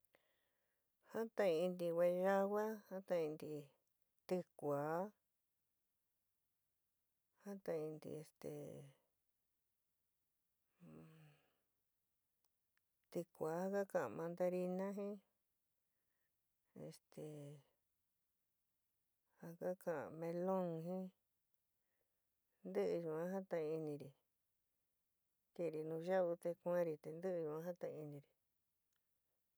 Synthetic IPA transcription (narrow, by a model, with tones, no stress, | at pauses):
ha˦t̪ã˧ĩ˧nd̪i˧we˧ʒa˦wa˦ha˦t̪ã˧ĩ˧nd̪i˧ | t̪ɨ˧kʷaː˨˦ | ha˦t̪ã˧ĩ˧nd̪ḭ˧e˧st̪ḛ˨ | t̪ɨ˧kʷa˨˦ha˦ka˦kã˧˨˧mã˧nd̪a˧ɾi˧nã˦ɦĩ˦ | ḛ˧st̪e˨ | ha˧ka˦kã˨a̰˧˨mẽ˧lõ˦ŋɦĩ˦ | nd̪ɨ˦ʔɨ˧ʒũ˨ã˦ɦã˦t̪ã˧i˧nĩ˧ɾi˨ | ke˧ɾi˧nũ˧ʒa˦u˧t̪e˧kʷã˦ɾi˧t̪e˧nd̪ɨ˦ʔɨ˧jũ˧˨ã˦ɦa˦t̪ã˧i˧nĩ˧ɾi˨